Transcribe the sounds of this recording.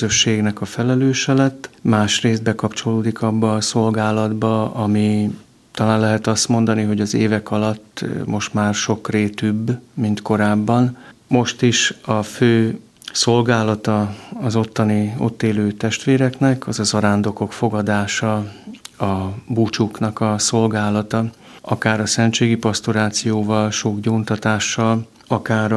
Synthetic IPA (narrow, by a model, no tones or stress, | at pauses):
øʃːeːɡnɛkɒfɛlɛløːʃɛlɛt̪ːmaːʃreːzd̪̚bɛkɒpt͡ʃo̞loːd̪ikɒbːɒːso̞lɡaːlɒd̪bɒɒmi | t̪ɒlaːnlɛɦɛt̪ɒst̪mo̞nd̪ɒniɦo̞ɟɒzeːvɛkɒlɒt̪ːmo̞ʃt̪maːrʃo̞kreːt̪ybːmint̪ko̞ɾaːbːɒnmo̞ʃt̪iʃɒføː | so̞lɡaːlɒt̪ɒɒzo̞t̪ːɒnio̞̰t̪ːeːløːt̪ɛʃt̪ʋeːɾɛknɛkɒzɒzɒɾaːnd̪o̞ko̞kfo̞ɡɒd̪aːʃɒ | ɒbut͡ʃuknɒkɒso̞lɡaːlɒt̪ɒɒkaːɾɒsɛnt͡ʃeːɡipɒst̪oɾaːt̪sijoːvɒlʃoɡɟoːnt̪ɒt̪aːʃːɒl | ɒkaːɾ